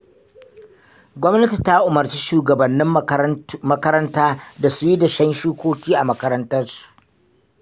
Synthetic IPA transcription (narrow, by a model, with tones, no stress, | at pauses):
ɡʷɔ˦mnɐ˦ti˨ta˦ʔʊ˨mɐ˨ɾt͡ʃi˦ʃuː˨ɡɐ˨bɐ˨nːɪ˦m | mɐ˦kɐ˦ɾɐ˦ntaː˦da˨su˦ji˦da˨ʃɐ˦nʃuː˦kʷoː˦kʲiː˦ʔa˨mɐ˦kɐ˦ɾɐ˦ntɐ˦rsu̥˨ʔ